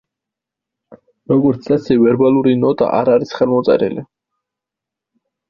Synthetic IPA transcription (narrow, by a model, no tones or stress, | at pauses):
ɾɔɡɔɾt̪sʰasɛvɛɾbalˠuɾinɔt̪ʼa̰ʔaɾaɾisχɛlˠmɔt̪sʼɛ̰ɾḭli